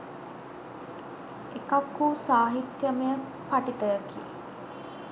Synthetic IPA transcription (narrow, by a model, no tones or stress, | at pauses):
ekakːusaːɦit̪jəmejə | paʈit̪əjəkḭḛ